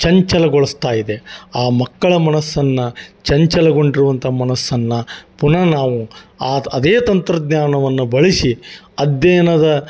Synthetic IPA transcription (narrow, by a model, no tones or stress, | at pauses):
t͡ʃɐɲt͡ʃɐlɐɡoɭɐst̪aːjid̪e̞aːmɐkːɐɭɐmɐnɐsːɐnːɐt͡ʃɐɲt͡ʃɐlɐɡo̞ɳɖiɾuʋɐnt̪ɐmɐnɐsːɐnːɐpunɐnaːʋuaːɐd̪eːt̪ɐnt̪ɾɐd̪ɲaːnɐʋɐnːubɐɭisiɐd̪jɐjɐnɐd̪ɐ